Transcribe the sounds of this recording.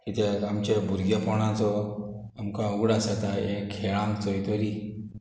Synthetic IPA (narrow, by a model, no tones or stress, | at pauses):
it̪ʰeamt͡ɕebʱuɾɡepɔɽ̃ãt͡sɔ | amkauɡɽasat̪aekʰːeɭãŋkt͡sɔit̪ɔɾi